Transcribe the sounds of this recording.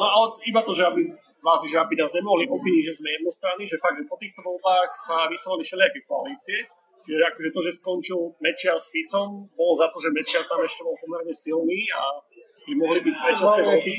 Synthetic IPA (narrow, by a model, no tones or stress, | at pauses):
nɔalɛibat̪ɔʒɛabi | naːziʒɛabinaːzɲɛmɔɦliʔɔpiʒɛzmɛjɛd̪nɛst̪ɾaniʒɛfaɡ̚d̪ʒɛpɔt̪iːxt̪ɔʋɔlbaːxsaʋisɔlalifʃɛlɪakɛkɔaliːt͡siɛ | t͡ʃiʒɛakɔʒɛt̪ɔʒɛskɔnt͡ʃilmɛt͡ʃɪaɾsfit͡sɔmbɔlɔzat̪ɔʒɛmɛt͡ʃɪaɾt̪amɛʃcɛbɔlpɔmɛɾɲɛsilniːa̰ | bimɔɦlibicpɾɛt͡ʃast̪ɛɔbi